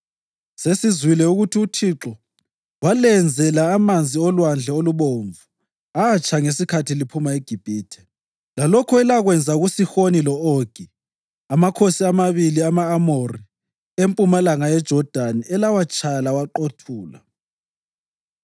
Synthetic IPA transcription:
sesizwilɛuɣutʰiutʰiǁɔ | walɛnd͡zʱɛlaːmand͡zʱiɔlwand͡ɮʱɛoluβoɱvu | aːt͡ʃʰaŋesikʰatʰilipʰumaeɡ̥ʱib̥ʱiːtʰɛ̥ | lalɔkʰɔɛlaɣwɛnd͡zʱauɣusixonilɔoɡ̥ʱi | amakʰosiamaβiliamaːmori | empʼumalaŋajɛd̥ʒ̥ʱɔd̥ʱaniɛlawat͡ʃʼalawaǃotʰuːla̰

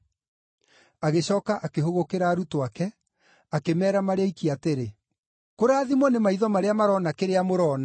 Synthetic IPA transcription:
aɣeɕɔːkaʔakeɦoɣokeɾaːɾutwakɛ | akemɛːɾamaɾeaikiateɾe | koɾaːðimɔnemaiðɔmaɾeamaɾɔnakeɾeamoɾɔːna

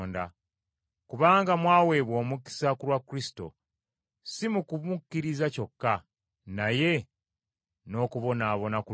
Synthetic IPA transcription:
nda | kuβaːŋɡamwaːwe̞βwo̞ːmuki̥sakuɾwakːuɾisi̥to̞̰ | simukuβukːiɾizaco̞kːa | naje̞ | no̞ːkuβo̞naːβo̞naku

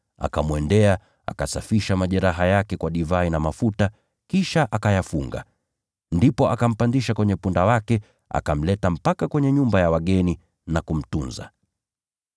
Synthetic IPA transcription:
a̰kamwɛndɛa | a̰kasafiʃamaʄɛɾaɦajakɛkwaɗivainamafuta | kiʃaʔakajafuŋɡa̰ | ndipɔʔakam̩pandiʃakwɛɲɛpundawakɛ | a̰kam̩lɛtam̩pakakwɛɲɛɲumbajawaɠɛni | nakum̩tunza̰

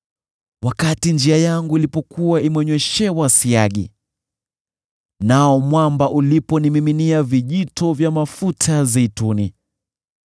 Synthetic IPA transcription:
wakatind͡ʒiajaŋɡuilipɔkuwaimwɛɲwɛʃɛwasiaɠḭ | naɔmwambaʔulipɔnimiminiaviʄitʰɔvjamafutʰazɛituni

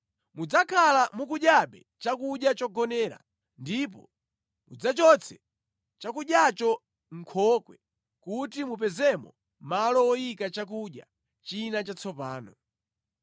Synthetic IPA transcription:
mud͡zakʰalamukuɗjaɓɛ | t͡ʃakuɗjat͡ʃɔɡɔnɛːɾa̰ | ndip̬ɔ̰ | mṵd͡zat͡ʃɔt͡sʰɛ | t͡ʃakuɗjat͡ʃɔ | ŋ̩kʰɔkwɛ | kutimup̬ɛzɛmɔ̰ | malɔwɔjikat͡ʃak̬uɗja̰ | t͡ʃinat͡ʃat͡sʰɔpaːnɔ

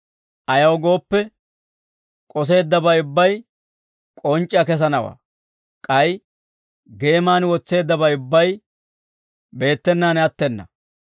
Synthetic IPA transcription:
ʔɐjɐwɡo̞ːpːɛ | kʼɔs̬e̞ːd̪ːɐbɐjʊbːɐj | kʼɔnt͡ʃʼːɐkɛs̬ɐnɐwa̰ː | kʼɐj | ɡe̞ːmaːnwɔt͡sːe̞ːd̪ːɐbɐjʊbːɐj | be̞ːt̪ːɛnːaːnɛɐt̪ːɛnːɐ̰

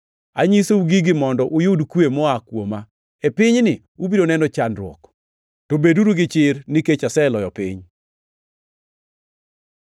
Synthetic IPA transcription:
aɲisouɡiɡɪmɔndɔʔʊjʊdkwemɔakwoma | epɪɲnɪ | ubidonɛnɔt͡ʃanɾwɔ̰k | tobeduɾuɡɪt͡ʃɪɾnɪket͡ʃasɛlɔjɔpɪ̰ɲ

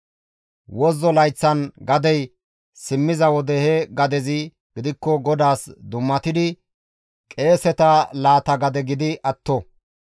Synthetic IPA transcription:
wɔzːɔlɐjt͡sːɐnɡɐd̪ɛj | sɪmːɪzɐwɔd̪ɛhɛɡɐd̪ɛzɪ | ɡ̥ɪd̪ɪkːɔɡɔd̪aːsd̪ʊmːɐt̪ɪd̪ɪ | kʼe̞ːsɛt̪ɐlaːt̪ɐɡɐd̪ɛɡɪd̪ɪʔɐt̪ːɔ

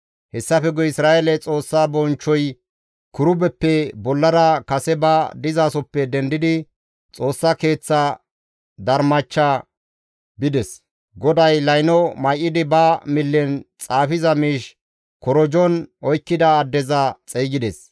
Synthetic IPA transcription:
hɛsːɐfɛɡɔɪsɾaːʔelɛt͡sʼo̞ːsːaːbɔnt͡ʃːɔj | kʊɾʊbɛpːɛbɔlːɐɾɐkɐsɛbɐd̪ɪzaːsɔpːɛd̪ɛnd̪ɪd̪ɪ | t͡sʼo̞ːsːake̞ːt͡sːa | d̪ɐɾmɐt͡ʃːa | bɪd̪ɛs | ɡɔd̪ɐjlɐjnɔmɐjʔːɪd̪ɪbɐmɪlːɛnt͡sʼaːfɪzɐmiːʃ | kɔɾɔd͡ʒɔnɔjkːɪd̪ɐːd̪ːɛzɐt͡sʼɛːɡɪd̪ɛs

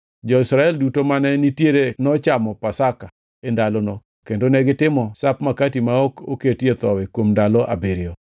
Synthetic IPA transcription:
d͡ʒɔɪsɾaɛldutomanɛnitjeɾenɔt͡ʃamɔpasaka | endalɔnɔ | kendonɛɡɪtɪmɔsapmakatimaɔko̰ketjet̪ɔwɛkwomndalɔʔa̰beɾɪɔ

